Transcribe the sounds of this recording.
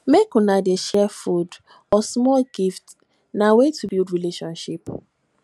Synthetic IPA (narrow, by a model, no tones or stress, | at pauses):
mekũnadeʃɛfud | ɔsmɔlɡift | nawetʰubildɹileʃɔ̃nʃip